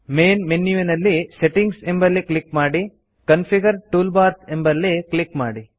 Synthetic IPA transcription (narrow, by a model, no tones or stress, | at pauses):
meːnmenjuʋinɐlːiseʈiŋɡsembɐlːiklikmaːɽi | kɐnpʰiɡɐɾʈuːlbaːɾsembɐlːiklikmaːɽi